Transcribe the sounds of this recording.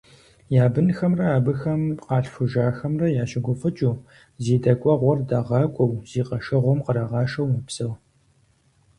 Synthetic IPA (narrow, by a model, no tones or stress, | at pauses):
jaːbɨnxɐmrɐaːbɨxɐmqɑːɬfʊʒaːxɐmrɐjaːɕɪɡʷʊfʼɨt͡ʃʼuː | ziːdɐkʷʼɔʁʷɔrdɐʁɑːkʷʼɔwz̥iːqɐʃɐʁʷɔmqəɾɐʁɑːʃɐwmɨpsɐʁ